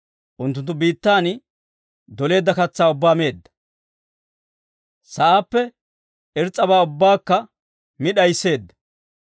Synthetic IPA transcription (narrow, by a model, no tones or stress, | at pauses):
ʔʊnt̪ːʊnt̪ːʊbiːt̪ːaːn | d̪ɔle̞ːd̪ːɐkɐt͡sːaːʊbːaːme̞ːd̪ːɐ̥ | sɐʔaːpːɛ | ɛɾt͡sʼːɐbaːʊbːaːkːɐ | mɪɗɐjsːe̞ːd̪ːɐ̥